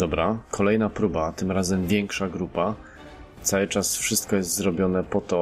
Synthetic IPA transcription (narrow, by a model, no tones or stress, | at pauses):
d̪ɔbɾakʰɔlɛjnapɾubat̪ɘmɾazɛmvʲjɛŋkʂaɡɾupa | t̪sawɘt͡ʂasfʂɘst̪kɔjɛst̪zɾɔbʲjɔnɛpɔt̪ɔ